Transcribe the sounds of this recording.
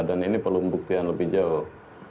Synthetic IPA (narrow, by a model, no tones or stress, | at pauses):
daninipərlumbuk̚t̪ianləbɪhd͡ʒauh